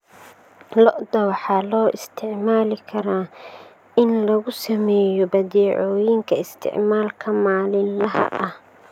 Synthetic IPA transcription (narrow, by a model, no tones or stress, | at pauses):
lɔʔd̪ɐwɑħɑːlɔːʔɪst̪ʰɪʕmaːlɪkʰɐɾaː | ɪnlɐɣʊsɐmɛːjɔbɐðiːʕɔːjɪŋkʰɐɪst̪ʰɪ̰ʕmaːlkʰɐmaːlɪnlɐɦɐ̰ʔɐh